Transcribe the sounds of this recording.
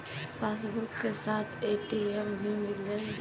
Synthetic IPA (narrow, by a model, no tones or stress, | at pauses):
paːsbʊɾkkesaːt̪ʰeːʈiembʱimɪlə